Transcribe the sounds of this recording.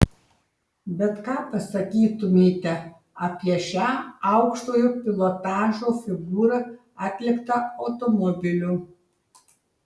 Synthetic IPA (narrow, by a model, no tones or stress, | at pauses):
bʲɛt̪kɑːpɐsɐkʲiːt̪ʊmʲeːt̪ʲɛ | ɐpʲiɛʃʲæːɐʊkʃt̪oːjoːpʲɪlˠɔt̪ɑːʒoːfʲɪɡuːɾɐ | ɑt̪ʲlʲɪkt̪ɐɐʊt̪ɔmɔbʲɪlʲuː